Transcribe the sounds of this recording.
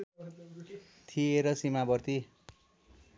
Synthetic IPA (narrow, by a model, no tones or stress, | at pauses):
t̪ʰieɾʌsimabʌrt̪i